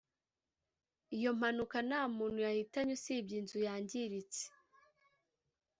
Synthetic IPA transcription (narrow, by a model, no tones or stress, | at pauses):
ijo̞m̥hanukanaːmuːnhujahitaɲusibɟinzujaːɲɟiɾit͡se̥